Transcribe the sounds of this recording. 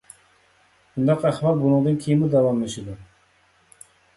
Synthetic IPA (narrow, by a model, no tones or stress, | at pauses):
bund̪ɑqæχbɑɾbunɨŋd̪ɨnkʲʰejimud̪ɛwɑmːeʃɪd̪u